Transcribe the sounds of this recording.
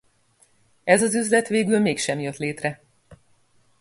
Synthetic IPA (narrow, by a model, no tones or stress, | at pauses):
ɛzɒzyzlɛt̪ʋeːɡylmeːkʃɛmjø̞t̪leːt̪rɛ